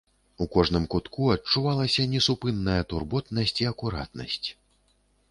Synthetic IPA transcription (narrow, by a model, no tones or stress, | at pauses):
ukɔʐnɨmkut̪kuɐt͡ʂːuvalˠɐsʲɐnʲɛsupɨnːɐjɐt̪urbɔt̪nɐsʲt͡sʲiɐkuɾa̰t̪nɐ̰sʲt͡sʲ